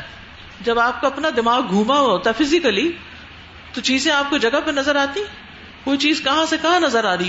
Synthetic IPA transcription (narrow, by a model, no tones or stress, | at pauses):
d͡ʒɐbaːp̚koɐpnad̪ɪmaːɡ̚ɡʱũːmaɦoːt̪afɪzɪkəli | t̪ot͡ʃiːzẽaːp̚kod͡ʒɐɡəpenɐzəɾaːt̪ĩ | koːit͡ʃiːzkɐɦãsekɐɦãnɐzəɾaːɾɐi